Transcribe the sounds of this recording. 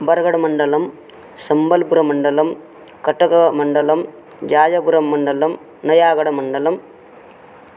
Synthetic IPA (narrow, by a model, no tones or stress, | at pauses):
bɐɾɣɐɽɐmɐɳɖɐlɐm | sɐmbɐlpuɾɐmɐɳɖɐlɐm | kɐʈːɐkɐmɐɳɖɐlɐm | d͡ʒaːd͡ʒɐpuɾɐmːɐɳɖɐlɐm | nɐjaːɣɐɽɐmɐɳɖɐlɐm